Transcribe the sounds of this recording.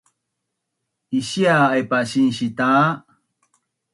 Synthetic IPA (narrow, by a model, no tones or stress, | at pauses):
iɕiaːjpaɕinɕit̪a